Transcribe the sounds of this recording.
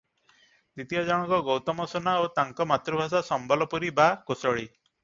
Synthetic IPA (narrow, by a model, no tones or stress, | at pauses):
d̪it̪ijad͡ʒaɽ̃ɔkɔɡɔwt̪ɔmɔsɔnaot̪aŋkɔmat̪ɾubʱas̬asɔmbɔlɔpuɾibakosɔɭi